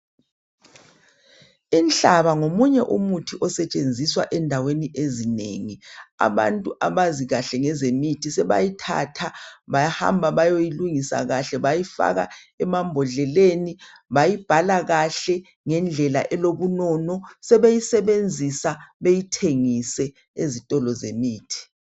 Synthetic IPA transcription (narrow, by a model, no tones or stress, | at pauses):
int͡ɬʼaβaŋomuɲɛʔumutʰiʔɔsɛt͡ʃʼend͡zʱiswa̰ʔɛndʱaweniʔezinḛːŋia̰βa̰ntʼuʔaβaziɣaɬɛŋɛzemitʰisɛβa̰jitʰa̰tʰaβajaha̰mbʱaβajojiluŋisa̰ɣaɬɛβajifa̰ɣa̰ | ɛmambʱɔɮɛleːni | βajib̥ʱalaɣaɬɛ | ŋɛnd͡ɮʱɛla̰ʔɛloβunɔːnɔsɛβejisɛβend͡zʱisaβejitʰeŋisɛ | ezitʼɔlɔzḛmiːtʰi̥